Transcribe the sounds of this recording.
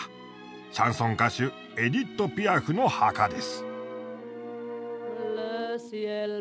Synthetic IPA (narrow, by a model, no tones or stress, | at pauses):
ɯ̥ | ɕãɰ̃sõ̞ŋkaɕɨ | e̞d̪ʲit̪ːo̞pʲiaɸɯ̟no̞hakad̪e̞sɨ̥ | ls